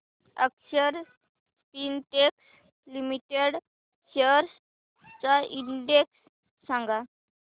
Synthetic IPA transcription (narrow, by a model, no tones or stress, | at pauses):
ə̰kɕəɾ | spinʈeks | limiʈeɽ | ɕəɾs | t͡saiɳɖeksː | ãŋɡa